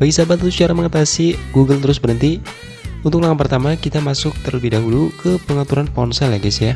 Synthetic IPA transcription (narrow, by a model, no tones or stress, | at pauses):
b̥aɡisabat̪əɾʊst͡ʃaɾaməŋat̪asiɡuɡəlt̪əɾʊsbəɾənt̪i | unt̪ʊk̚laŋanpərt̪amakit̪amasʊk̚t̪ərləbihdaɦulukəpəŋat̪uɾanpɔnsɛlaɡɛsja